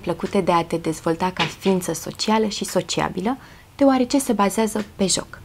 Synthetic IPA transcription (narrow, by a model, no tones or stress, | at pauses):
pləkut̪e̞d̪e̞at̪e̞d̪e̞zvo̞lt̪akafiint̪səso̞̰t͡ʃialəʃiso̞t͡ʃia̰bilə | d̪̥eoaɾe̞t͡ʃe̞se̞bazeazəpe̞ʒo̞̰k